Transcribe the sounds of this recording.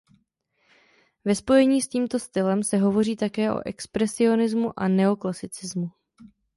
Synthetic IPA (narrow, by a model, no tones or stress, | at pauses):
vɛspo̞jɛɲiːsciːmt̪o̞st̪ɪlɛmsɛɦo̞vo̞riːt̪akɛːʔo̞̰ʔɛkspɾɛsɪo̞nɪzmuʔanɛo̞klasɪt͡sɪzmu